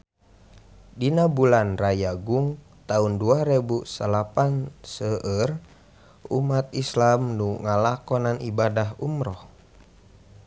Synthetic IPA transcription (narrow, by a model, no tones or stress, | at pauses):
dinabulanrajaɡuŋ | t̪aunduaɾebusəlapansəʔər | ṵmat̪islamnuŋalakɔnanḭbadaɦumɾɔh